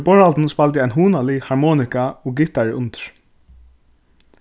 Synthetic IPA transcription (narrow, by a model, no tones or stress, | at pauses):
bɔɹalt̪n̩spalt̪ɪaɪnɦuːnalɪhaɹmɔːnɪkaɔɡɪt̪aɹɪʔʊnt̪ɪ̥ɹ̥